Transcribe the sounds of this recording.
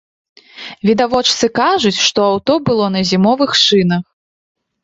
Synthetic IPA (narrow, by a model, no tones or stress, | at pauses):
vʲid̪avɔt͡ʂt̪sɨkaʐut͡sʲʂt̪ɔawt̪ɔbɨlˠɔnɐzʲimɔvɨxʂɨnɐx